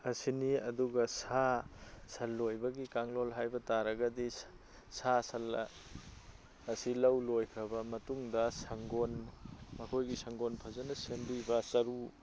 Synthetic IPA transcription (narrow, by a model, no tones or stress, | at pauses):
ɐsiniɐduɡɐsasɐlːojbɐɡikaŋlolɦajbɐtaɾɐɡɐdi | sasɐl | ɐsilɐwlojkʰɾɐbɐmɐtuŋdɐsɐŋɡonmɐkʰojɡisɐŋɡonpʰɐzɐnɐsenbibɐsɐɾu